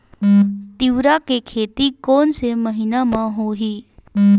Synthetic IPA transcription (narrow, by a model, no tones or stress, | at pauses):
t̪iʋɾakekʰet̪iːkonseməɦinamãɦoɦiː